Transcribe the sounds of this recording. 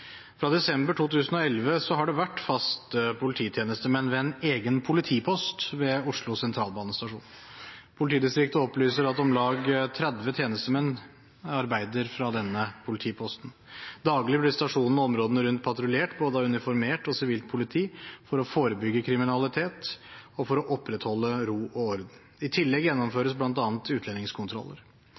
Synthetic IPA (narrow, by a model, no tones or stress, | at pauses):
fɾɑd̪ɛsɛmbəʈʰuːt̪ʉːsn̩ɔɛlʋəsɔɦɑɖɛʋæʈːfɑst̪əpʰʊlɪt̪ʰiːt̪ʰjeːnəst̪əmɛnʋɛɛneːɡənpʰʊlɪt̪ʰiːpʰɔst̪ʋɛʊʂɭʊsɛnt̪ʰɾɑːlbɑːnəst̪ɑʂṵːn | pʰʊlɪt̪ʰiːd̪ɪst̪ɾɪk̚t̪əɔplyːsəɾɑt̪ɔmlɑːɡt̪ʰɾɛd̪ʋət̪ʰjeːnəst̪əmɛnː | ɑɾbæɪd̪əɾfɾɑd̪ɛnːəpʰʊlɪt̪ʰiːpʰɔst̪n̩ | d̪ɑːɡlɪblɪst̪ɑʂuːnnɔmɾoːd̪ənəɾʉnt̪̚pʰɑt̪ɾʊleːʈboːd̪əɑʉnɪfɔɾmeːʈɔsɪʋiːlt̪̚pʰʊlɪt̪ʰiːfɔɾɔfoːɾəbʏɡːəkʰɾɪmɪnɑlɪt̪ʰeːt̪ɔfɔɾɔʔɔpːɾɛt̪hɔlːəɾuːɔɔɾd̪n̩ | ɪt̪ʰɪlːɛɡjɛnːɔmføːɾəs̬blɑnt̪ɑːnt̪ʉːt̪ʰlɛnɪŋskʰʊnt̪ʰɾɔ̰lːə̰ɾ